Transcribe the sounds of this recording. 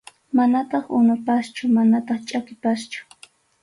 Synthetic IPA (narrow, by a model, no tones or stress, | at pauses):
manat̪ɑχʊnʊpast͡ʃʊmanat̪ɑχt͡ʃʼakɪpast͡ʃʊ̥